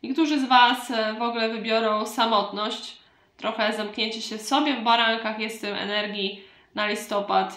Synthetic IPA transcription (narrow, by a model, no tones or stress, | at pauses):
ɲɛk̚t̪uʐɘzvasvɔɡlɛvɘbʲjɔɾɔ̃w̃samɔt̪nɔɕt͡ɕ | t̪ːɾɔxɛzamkɲʲeɲt͡ɕiɕɛsɔbʲjɛvbaɾaŋkaxjɛst̪ɛmɛ̰nɛɾɡʲi | nalʲist̪ɔpat̪